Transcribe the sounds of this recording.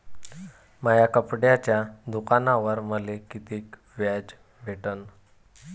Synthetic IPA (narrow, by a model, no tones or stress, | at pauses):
məjakəpɽjat͡ɕjad̪ukanaʋəɾməlekit̪iːk | ʋjad͡ʑ | bʱeʈən